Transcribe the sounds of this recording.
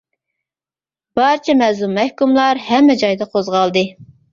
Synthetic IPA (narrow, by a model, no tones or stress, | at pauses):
b̥ɑɾt͡ʃʰɛmɛzlˠumːɛhkumlˠɑɾhɛmːɛd͡ʒɑjd̪ɑqʰozʁɑlˠd̪ɨ